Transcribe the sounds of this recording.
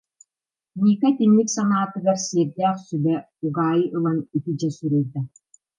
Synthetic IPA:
niːkat̪inːiksanaːt̪ɯɡaɾsiːɾd̪æːχsybɛ | uɡaːjɯʔɯlˠanit̪id͡ʑɛsyɾœjd̪ɛ

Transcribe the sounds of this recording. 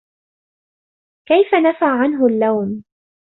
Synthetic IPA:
kajfanafaʕʕanɦʊlːawn

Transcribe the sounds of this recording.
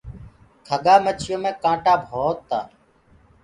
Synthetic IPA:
kʰəɠaːmət͡ʃʰɪjõːmẽːkãːʈaːbʱoːt̪ːa̰ː

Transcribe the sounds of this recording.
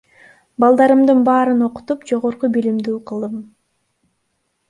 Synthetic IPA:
bɑlˠd̪ɑɾɯmd̪ɯnbɑːɾɯno̞qu̥t̪upd͡ʒo̞ʁo̞ɾqubilimd̪yːqʰɯlˠd̪ɯm

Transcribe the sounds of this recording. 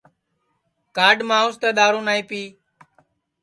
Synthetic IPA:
kaːɖmãːost̪eːɗ̪aːɾõːnaːĩːpiː

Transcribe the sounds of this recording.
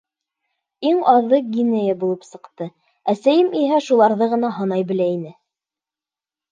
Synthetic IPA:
iŋɑðːɤɡʲinejəbulˠɤpsɤ̆qt̪ɤ | æsæjɘmiɦæʃulˠɑɾðɤʁɤ̆nɑɦɤ̆nɑjbɘ̆læinɘ

